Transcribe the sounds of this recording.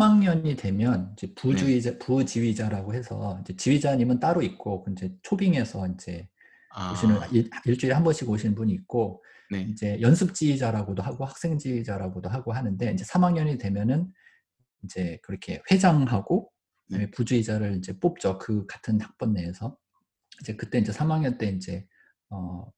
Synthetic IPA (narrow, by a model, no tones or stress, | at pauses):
sʰamaŋɲʌɲide̞mjʌnind͡ʑe̞pud͡ʑuid͡ʑaput͡ɕiɥid͡ʑaɾaɡoɦhe̞sʰʌind͡ʑe̞t͡ɕiɥid͡ʑaɲimɯnt͈aɾoik̚k͈okɯnd͡ʑe̞t͡ɕʰobiŋe̞sʰʌind͡ʑe̞ | uɕʰinɯniiɭt͡ɕ͈uiɾehambʌnɕʰiɡoɕʰinnbuɲiːk̚k͈o | nind͡ʑe̞jʌnsʰɯp̚t͡ɕ͈iid͡ʑaɾaɡodoɦaɡohak̚s͈e̞ŋd͡ʑiid͡ʑaɾaɡodoɦaɡoɦanɯnde̞ind͡ʑe̞sʰamaŋjʌɲidwe̞mjʌnɯn | ind͡ʑe̞kɯɾʌkʰe̞ɸwe̞d͡ʑaŋɦaɡ̥o | epud͡ʑuid͡ʑaɾɯɾind͡ʑe̞p͈op̚t͡ɕ͈ʌkɯkatʰɯntak̚p͈ʌnːeːsʰʌ | ind͡ʑe̞kɯt͈e̞ind͡ʑe̞sʰamaŋɲʌnt͈e̞ind͡ʑe̞ | ʌ